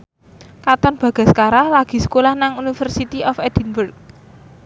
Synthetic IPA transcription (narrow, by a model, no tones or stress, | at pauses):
kat̪ɔnb̥ä̤ɡ̥a̤sə̥kaɾahlaɡ̥i̤sə̥kolahnaŋunifərsit̪iʔɔfɛd̪̥inburk̚